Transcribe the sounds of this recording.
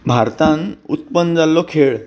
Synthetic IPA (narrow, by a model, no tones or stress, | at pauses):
bʱaɾt̪ãnut̪pənd͡zalːɔkʰeɭ